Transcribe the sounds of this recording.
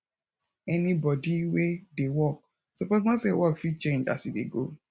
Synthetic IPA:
ɛnibɔdiwedewɔk̚ | sɔposnɔsewɔkfit͡ʃẽnd͡ʒa̰sidḛɡo

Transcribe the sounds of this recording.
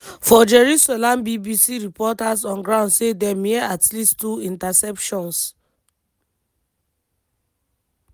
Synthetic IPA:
fɔd͡ʒɛɹusɛlãmbibisiɹipɔtasɔ̃nɡɹãʊ̃ndsedɛmiɛatlisttuĩntasɛpʃɔ̃ns

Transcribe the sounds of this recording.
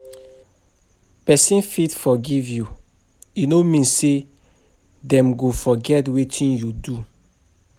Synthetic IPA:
pɛsĩnfitfɔɡivju | inomĩnsse | dɛ̃mɡofɔɡɛtwetʰĩnjudu

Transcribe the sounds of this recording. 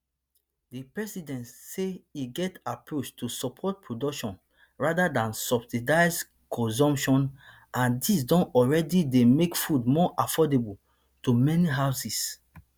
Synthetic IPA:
dipɹɛsidɛ̃ntseiɡɛtapɹot͡ʃtʰusɔpʰɔt̚pʰɹodɔkʃɔ̃n | ɹadadãnsɔbsidaɪz | kʰɔ̃s̬ɔ̃mpʃɔ̃n | ʔãndisdɔ̃nɔɹɛdidemekfudmɔʔafɔdebul | tumɛniɦaʊsis

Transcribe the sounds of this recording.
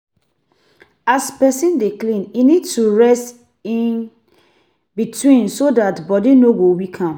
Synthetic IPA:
aspɛsĩndiklĩninidtuɹɛst | ĩn | bitʰwĩnsodatbɔdinoɡowikʰãm

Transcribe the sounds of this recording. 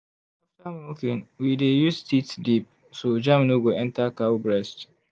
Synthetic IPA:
ɔtamokĩnwidejustitsdip̚ | sod͡ʒãmnoɡoɛ̃ntakawbɹɛst

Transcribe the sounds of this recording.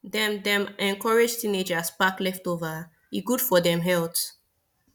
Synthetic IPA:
dɛ̃mdɛ̃mɛ̃nkʰɔɹed͡ʒtĩned͡ʒaspaklɛftova | iɡud̥fɔdɛ̃mɦɛlt

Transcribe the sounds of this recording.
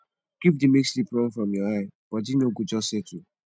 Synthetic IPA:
kipdimekslipɹɔ̃mfɹɔ̃mjɔaɪb̥ɔdinoɡud͡ʒɔsetu

